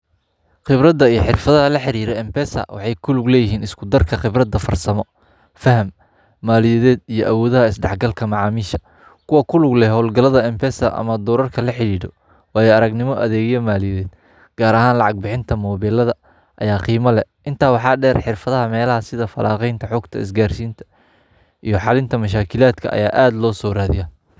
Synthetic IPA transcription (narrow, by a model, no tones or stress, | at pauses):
qɪbɾɐd̪ːɐijɔħɪrfɐðɐɦɐlɐħɪɾiːɾɔɛmpʰɛːsɐ̰wɑ̰ħɑjkʰʊlʊɡlɛːjɪɦiːnɪskʰʊd̪ɐrkʰɐχɪbɾɐd̪ːɐfɐ̰rsɐmɔ | fɐɦɐmː | aːlɪjɛðɛːd̪ijɔʔɐwɔːðɐɦɐɪsɖɑħɡɐlkʰɐmɑʕɑːmiːʃɐ̥ | kʰʊwɐkʰʊlʊɡlɛɦɔːlɡɐlɐðɐɛmpʰɛsɐ̰ʔɐ̰mɐd̪ɔːɾɐrkʰɐlɐħɪɾiːɽɔ | wɑːjɛɐɾɐɡnɪmɔʔɐðɛːɣjɐmaːlɪjɛðɛːd̪̥ | ɡ̥aːɾɐɦaːnlɑʕɑɡ̚bɪħɪnt̪ʰɐmɔːβɛːlɐðɐ | ʔɐjaːqiːmɐlɛʔɪnt̪ʰaːwɑħɑːɖɛːrħɪrfɐðɐɦɐmɛːlɐhɐsɪðɐfɐlʔa̰ːqɛjnt̪ʰɐħɔːɡt̪ʰɐ̰ɪ̰sɡaːrsiːnt̪ʰɐ̥ | ijɞħɑlɪnt̪ʰɐmɐʃ̬aːkʰɪlaːd̪kʰɐ̰ʔɐ̰jaːʔaːd̪lɔːsɔːraːðɪjaː